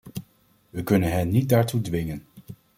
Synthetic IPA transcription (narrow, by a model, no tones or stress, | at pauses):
ʋəkɵnənɦɛnnit̚daːɹtudʋɪŋən